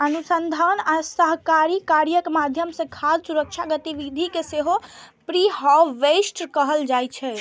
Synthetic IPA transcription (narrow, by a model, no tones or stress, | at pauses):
ənusənd̪ʱanasəɦkaɾikaɾjəkmad̪ʱjəmsə̃kʰad͡ʒsuɾək̚t͡ʃʰaɡət̪iʋid̪ʱikeseɦo | pɾiɦɔʋesʈkəɦəld͡ʒajt͡ʃʰɛ